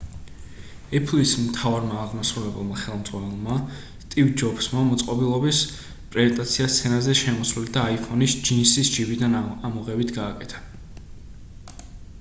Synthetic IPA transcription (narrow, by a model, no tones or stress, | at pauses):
ɛpʰlismt̪ʰavaɾmaːʁmasɾulɛbɛlˠmaχɛlˠmd̪zʁwanɛlˠma | st̪ʼivd͡ʒɔksmamɔt̪sʼqʼɔbilˠɔbis | pʼɾɛzɛnt̪ʼat̪sʰiast̪sʰɛnazɛʃɛmɔsɾild̪aːipʰɔnisd͡ʒinsisd͡ʒivid̪anamɔʁɛvit̪ʰɡaːkʼɛt̪ʰḁ